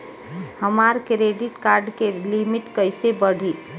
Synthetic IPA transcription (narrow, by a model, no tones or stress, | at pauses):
həmaɾkɾeɖiʈkaɾɖkelimiʈkəjsebəɽ̤ʱi